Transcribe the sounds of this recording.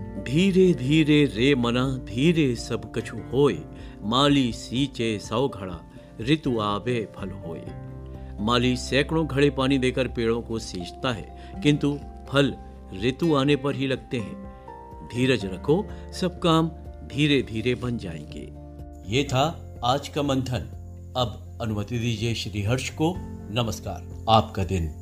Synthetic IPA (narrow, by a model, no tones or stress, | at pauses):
d̪ʱiːɾed̪ʱiːɾeɾeːmɐnad̪ʱiːɾesɐbʱkɐt͡ʃʰuhoːḛː | maːlisiːt͡ʃesaoɡʱɐɭa̰ | ɾɪt̪uaːbepʰɐlɦo̰ːḛ | maːlisɛːkɽ̃õɡʱɐɽepaːnid̪eːkəɾpeːɭõkosiːd͡ʒt̪aɦɛ̰ | kɪ̃nt̪u | pʰɐl | ɾɪt̪uaːnepɐɾɦilɐɡt̪eɦɛ̰̃ | d̪ʱiːɾəd͡ʒɾɐkʰosɐb̚kaːmd̪ʱiːɾed̪ʱiːɾebɐnd͡ʒa̰ːḛ̃ːɡḛː | jeːt̪ʰa | aːd͡ʒkamɐ̃nt̪ʰən | ɐb | ɐnʊmət̪id̪iːd͡ʒieʃɾiːɦɐɾʃkonɐməska̰ːɾ | aːpkad̪ɪn